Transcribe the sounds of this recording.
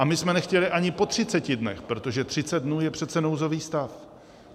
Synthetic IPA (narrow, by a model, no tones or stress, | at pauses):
ʔamɪsmɛnɛxcɛlɪʔaɲɪpo̞t̪r̝̥ɪt͡sɛcɪdnɛ̰xpɾo̞t̪o̞ʒɛt̪r̥ɪt͡sɛd̪̚dnuːjɛpr̥ɛt̪t͡sɛnowzo̞viːst̪af